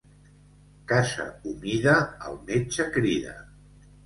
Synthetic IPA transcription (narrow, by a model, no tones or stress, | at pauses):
kasə̰umiðə̰ːlˠmet͡ʃəkɾiðə̰